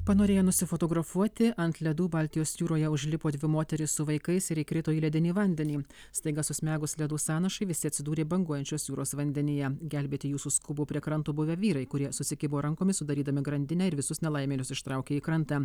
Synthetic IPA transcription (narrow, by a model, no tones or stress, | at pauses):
pɐnoːɾʲeːjoːnʊsʲɪfoːt̪oːɡɾɐfuɔt̪ʲɪɐnt̪lʲɛd̪uːbɐlʲt̪ʲɪjoːsjuːɾoːjɛʊʒʲlʲɪpoːd̪ʲʋʲɪmoːt̪ʲɛɾʲɪssʊʋɐɪkɐɪsɪɾiːkɾʲɪt̪oːiːlʲɛd̪ʲɪnʲiːʋɐnʲd̪ʲɛnʲiː | st̪ɐɪɡɐsʊsʲmʲæːɡʊslʲɛd̪uːsɑːnɐʃɐɪʋʲɪsʲɪɐt̪ʲsʲɪd̪uːɾʲeːbɐŋɡuɔjɛnʲt͡ʃʲoːsjuːɾoːsʋɐnʲd̪ʲɛnʲɪjɛɡʲælʲbʲeːt̪ʲɪjuːsuːskʊbuːpʲɾʲiɛkɾɐnt̪uːbʊʋʲɛʋʲiːɾɐɪkʊɾʲiɛsʊsʲɪkʲɪboːɾɐŋkoːmʲɪsʊd̪ɐɾʲiːd̪ɐmʲɪɡɾɐnʲd̪ʲɪnʲɛːɪɾʋʲɪsʊsnʲɛlˠɐˑɪmʲeːnʲʊsɪʃt̪ɾɑˑʊkʲeːiːkɾɐnt̪ɑ